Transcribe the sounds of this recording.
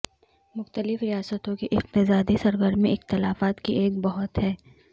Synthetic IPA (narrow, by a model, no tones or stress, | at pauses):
mʊxt̪əlɪfɾijaːsət̪õkeʔɪq̚t̪ɪsaːd̪isɐɾɡəɾmẽʔɪxt̪ɪlaːfaːt̪kiʔeːkbɐɦʊt̪hɛː